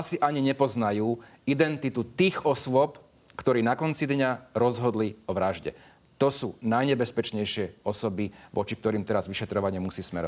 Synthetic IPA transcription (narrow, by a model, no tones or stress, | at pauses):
asiʔaɲiɲɛpɔznajuː | id̪ɛnt̪it̪ut̪iːɣɔsʊɔp | kt̪ɔɾiːnakɔnt͡sid̪ɲaɾɔzɦɔd̪liɔʋɾaʒɟɛ̰ | t̪ɔsuːnajɲɛbɛspɛt͡ʃɲɛjʃɪɛɔsɔbiʋʔɔ̰t͡ʃik̚t̪ɔɾiːmt̪ɛɾazʋiʃɛt̪ɾɔʋaɲɪɛmusiːsmɛ̰ɾɔ̰